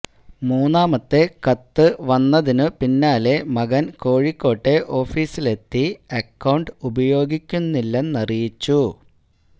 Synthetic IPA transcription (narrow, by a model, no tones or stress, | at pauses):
muːnːaːmɐt̪ːe̞kɐt̪ːɨʋɐnːɐðinɨpinːaːle̞mɐɡɐnko̞ːɻikːo̞ːʈːe̞ʔo̞ːfiːsile̞t̪ːiɐkːɐwɳɖɨubɐjo̞ːɡikʲːunːilːɐnnɐrijit͡ɕːu